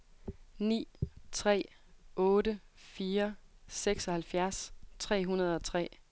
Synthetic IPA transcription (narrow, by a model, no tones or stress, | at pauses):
nḭːt͡sʰʁɛ̰ː | ʔɔ̽ːɾəfiːɐseɡ̥sɒ̽hælfjæɐst͡sʰʁɛ̰ːɦunɐð̞̩ˠɒ̽t͡sʰʁɛ̰ː